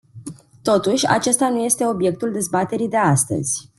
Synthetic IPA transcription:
t̪o̞t̪uʃʲa̰t͡ʃe̞st̪anuje̞st̪e̞o̞bje̞k̚t̪uld̪e̞zbat̪e̞ɾid̪e̞ast̪ə̰z̥ʲ

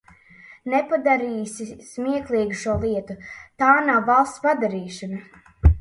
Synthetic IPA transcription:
nɛpad̪aɾiːsismiɛklˠiːɡuʃuɔlˠiɛt̪ut̪aːnawvalˠst̪spad̪aɾiːʃana

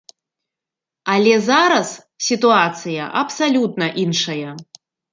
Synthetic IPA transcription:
alʲɛzaɾɐs | sʲit̪uat̪sɨjɐ̰ʔɐpsalʲut̪nɐʔinʂɐjɐ

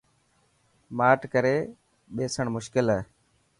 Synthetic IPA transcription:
maːʈkəɾeː | ɓeːsəɳmʊʃkɪlə

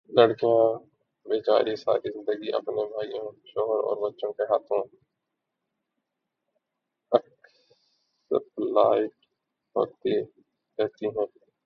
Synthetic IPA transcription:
ləɽkijã | beːt͡ʃa̰ːɾisa̰ːɾizɪ̃nd̪əɡiʔɐ̰pnebʱaːijõʃɔːɦəɾɔ̰ːɾbɐtːʃõkeɦaːt̪ʰõ | ɐk | sə̰plaːɪʈ | ɦo̰ːt̪i | ɾɛɦt̪iɦɛ̃ː

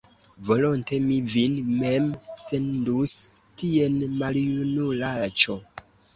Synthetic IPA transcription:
vo̞lonte̞mivinme̞mse̞ndustie̞nmaljunulat͡ʃo̞

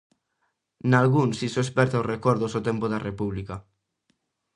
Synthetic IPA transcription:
nalɣunsisoespɛɾt̪aorekoɾðosot̪empoðarepuβlika

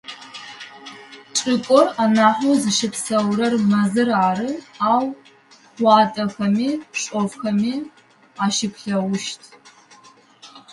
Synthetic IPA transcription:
t͡ʃʷʼɪkʷʼoranaħʷozɨʃɪpʰsɐwrɐrmɐzɨraːrɨaːwʷ | aːtʼɐxɐmiɕʷʼovxɐmi | aʃɪpʷʰɬɐwʊʃtʰ

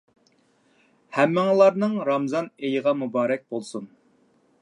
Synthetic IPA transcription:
hæmːɪŋəlˠɑɾnɨŋɾɑmzɑnejəʁɑmubɑːɾɛk̚ʲb̥olˠsun

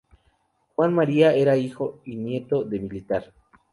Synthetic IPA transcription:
xwanmaɾiae̞ɾaixoinje̞t̪o̞ðe̞milit̪aɾ

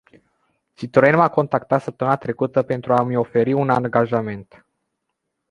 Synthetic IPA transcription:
t͡ʃit̪oɾenmako̞nt̪akt̪at̪səp̚t̪əmɨnat̪ɾe̞kut̪əpe̞nt̪ɾuamo̞fe̞ɾiunaŋɡaʒame̞nt̪

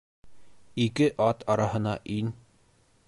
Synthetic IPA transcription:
ikɘʔɑt̪ɑɾɑhɤ̆nɑʔin

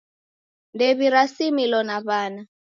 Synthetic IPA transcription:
ndɛβiɾasimilɔnaβaːna

